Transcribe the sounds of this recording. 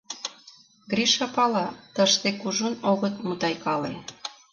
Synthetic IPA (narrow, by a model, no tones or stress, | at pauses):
ɡɾiʃɑpɑlɑt̪əʃt̪ekuʒunoɣət̪̚mut̪ɑjkɑle